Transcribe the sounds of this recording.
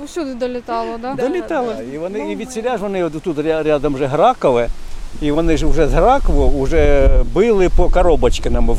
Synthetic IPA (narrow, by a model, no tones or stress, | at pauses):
sʲud̪ɪd̪ɔlʲɪt̪ɑlˠɔd̪d̪ɔlʲɪt̪ɑlˠɔiʋɔnɪiʋʲid̪ʲsʲɪlʲaʒʋɔnɪɔt̪t̪ut̪ɾʲaɾʲad̪ɐmʒɛɦɾɑkɔʋɪiʋɔnɪʒʊʒɛzɦɾɑkɔʋɔuʒɛbɪlˠɪpɔkɐɾɔbɐt͡ʃkɪnɐmɪ